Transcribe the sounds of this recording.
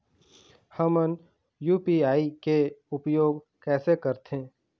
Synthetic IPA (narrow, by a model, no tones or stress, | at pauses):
həmən | juːpiːaːikeʊpjoːɡ | kɛːsekəɾt̪ẽː